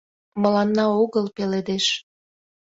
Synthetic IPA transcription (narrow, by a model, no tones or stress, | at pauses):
məlɑnːɑoɣəlpeled̪eʃ